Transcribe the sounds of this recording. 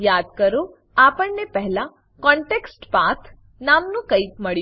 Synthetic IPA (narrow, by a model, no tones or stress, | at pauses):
jad̪̚kəɾo | apəɳnepəɦɛlã | kɔɳʈeksʈpat̪ʰ | namnũkəit̪məɭi